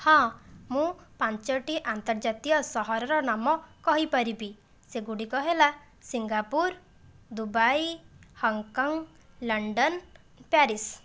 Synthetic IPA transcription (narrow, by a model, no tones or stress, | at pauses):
hɔ̃mũpant͡ʃɔʈiʔant̪ɔɾd͡ʒat̪iɔsɔɦɔɾɔɾɔnamɔkɔɦipɔɾibi | seɡuɽikɔɦela | siŋɡapuɾ | d̪ubajhɔŋkɔŋ | lɔɳɖɔn | paɾis